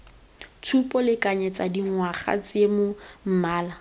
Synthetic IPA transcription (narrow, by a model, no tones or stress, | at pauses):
t͡sʰupʼɔlɪkʼaɲɛt͡sadiŋwaχa̰t͡sʼemʊm̩maːla